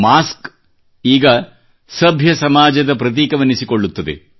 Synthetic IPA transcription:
maːsk | iːɡɐ | sɐbʱjɐsɐmaːd͡ʒɐd̪ɐpɾɐt̪̬iːkɐʋɐnisiko̞ɭːut̪ːɐd̪ḛ

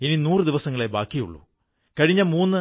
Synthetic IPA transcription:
ininuːrɨd̪iʋɐsɐŋːɐɭe̞baːkːijṵɭːṵ | kɐɻiɲːɐmuːnːɨ

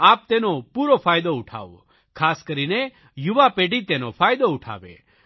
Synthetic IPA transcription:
aːp̚t̪eːnõpuːɾopʰaːjd̪oʊʈʰa̰ːo̰ | kʰaːskɐɾinɛ | jʊʋapeːɖit̪eːnopʰaːjd̪oʊʈʰa̰ːʋḛ

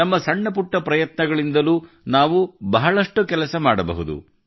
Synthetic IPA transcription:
ɐmːɐsɐɳːɐpuʈːɐpɾɐjɐt̪nɐɡɐɭind̪ɐluː | naːʋubɐɦɐɭɐʂʈukɛlɐsɐmaːɽɐbɐ̰ɦud̪ṵ

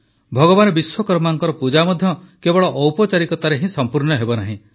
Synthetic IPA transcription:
bʱɔɡɔbanɔbiswɔkɔɾmaŋkɔɾɔpud͡ʒamɔd̪ʱjɔkebɔɭɔʔːwpɔt͡ʃaɾikɔt̪aɾeɦĩsɔmpuɾɳɔɦebɔnaɦĩ

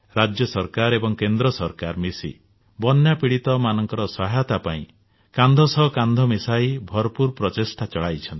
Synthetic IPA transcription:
ɾad͡ʒjɔsɔɾkaɾebɔŋkend̪ɾɔsɔɾkaɾmisḭ | bɔnjapiɽit̪ɔmanɔŋkɔɾɔsɔɦajɔt̪apaĩ | kand̪ʱɔsɔɦkand̪ʱɔmisajbʱɔɾpuɾpɾɔt͡ʃisʈʰat͡ʃɔɭajt͡ʃʰɔnt̪i̥

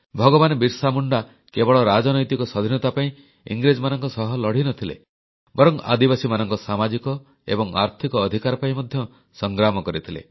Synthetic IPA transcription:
bʱɔɡɔbanɔbiɾsamuɳɖa | kebɔɭɔɾad͡ʒɔnɔjt̪ikɔsɔd̪ʱinɔt̪apaĩ | ḭŋɡɾed͡ʒɔmanɔŋkɔsɔɦɔlɔɽ̤inɔt̪ʰilḛ | bɔɾɔŋa̰d̪ibasimanɔŋkɔsamad͡ʒikɔ | ḛbɔŋa̰ɾt̪ʰikɔːd̪ʱikaɾɔpaĩmɔd̪ʱjɔ | sɔŋɡɾamɔkɔɾit̪ʰilḛ

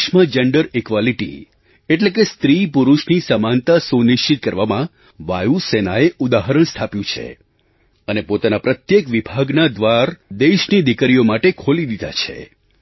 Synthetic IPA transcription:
ʃməd͡ʒeɳɖəɾikʋaliʈḭ | eʈlek̬est̪ɾipuɾuʃnisəmant̪asuniʃt͡ʃit̪̚kəɾʋamã | ʋajusenaeʔud̪aɦəɾəɳ̃st̪ʰapjũt͡ʃʰḛ | ənepot̪anapɾət̪jekʋibʱaɡnad̪ʋaɾd̪eʃnid̪ikəɾijomaʈekʰolid̪id̪a̰t͡ʃʰḛ

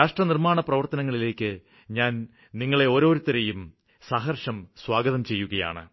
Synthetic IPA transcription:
aːʂʈrɐnirmaːɳɐprɐʋɐrt̪ɐnɐŋːɐɭile̞ːkːɨ | ɲaːn | niŋːɐɭe̞o̞ːɾo̞ːɾut̪ːɐɾe̞jum | saːɦɐrʂɐmswaːɡɐðɐmt͡ɕe̞jːuɣɐja̰ːɳɨ̰

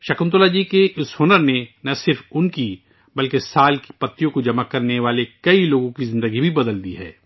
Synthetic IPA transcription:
ʃɐkəmt̪olad͡ʒiːkeʔɪsɦoːnəɾnenɐsɪɾfʊnki | bɐlkesaːlki̥pɐt̪ːijõkod͡ʒɐmakːɐɾneʋaːlekɐiloːɡõkizɪ̃nd̪əɡibʱibɐd̪əld̪ḭːɦɛ̰ː

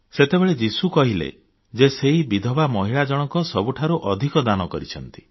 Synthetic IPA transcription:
set̪ebeɭed͡ʒisukɔɦilḛ | d͡ʒeseɦibid̪ʱɔbamɔɦiɭad͡ʒɔɽ̃ɔkɔsɔbuʈʰaɾuʔɔd̪ʱikɔd̪anɔkɔɾit͡ʃʰɔnt̪i̥

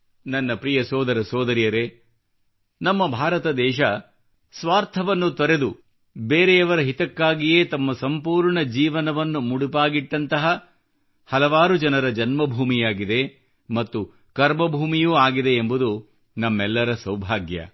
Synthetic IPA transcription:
nɐnːɐpɾijɐsɔːd̪ɐɾɐsɔːd̪ɐɾjɐɾe | nɐmːɐbʱaːɾɐt̪ɐd̪ɛːʃ̬ɐ | sʋaːɾt̪ʰɐʋɐnːut̪ɔɾe̞d̪u | beːɾeɐʋɐɾɐɦit̪ɐkːaːɡijeːt̪ɐmːɐsɐmpuːɾɳɐd͡ʒiːʋɐnɐʋɐnːumuɽupaːɡiʈːɐnt̪ɐɦɐ | hɐlɐʋaːɾud͡ʒɐnɐɾɐd͡ʒɐnmɐbʱuːmijaːɡid̪e̞ | mɐt̪ːu | kɐɾmɐbʱuːmijuːaːɡid̪e̞ːmbud̪u | nɐmːɛlːɐɾɐsɐwbʱaːɡjɐ̰

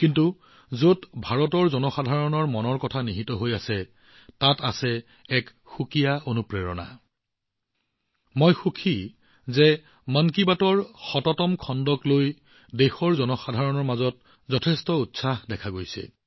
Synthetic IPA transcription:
kintu | zotbʱaɹɔtɔɹzɔnɔxadʱaɹɔnɔɹmɔnɔɹkɔtʰaniɦitɔɦojasɛ | tatasɛ | ɛk | xukijaonupɹeɹɔna̰ | mojxukʰi | zɛ | mankibatɔɹxɔtɔtɔmkʰɔndɔkloj | dexɔɹzɔnɔxadʱaɹɔnɔɹmazɔt | zɔtʰɛstɔutsaxdɛkʰaɡojsɛ̰

